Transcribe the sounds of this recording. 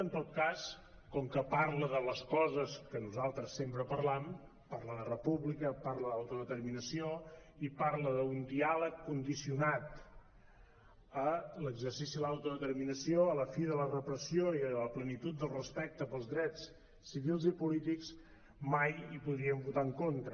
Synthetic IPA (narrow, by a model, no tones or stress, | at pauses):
ənt̪ot̪̚kaskɔŋkəpaɾləðələskɔzəskənuzalˠt̪ɾəsːempɾəpəɾlam | paɾləðərəpuβlikəpaɾləðawt̪uðət̪əɾminəsio | ipaɾləðəund̪ialəkːund̪isiunat̪ | ələɡzərsisiəawt̪uðət̪ərminəsioələfiðələrəpɾəsioiələplənit̪ut̪̚d̪əlˠrəspɛk̚t̪əpəlˠzðɾɛt͡sː | iβilˠzipulit̪iks | majipuðɾiəmbut̪aəŋkont̪ɾə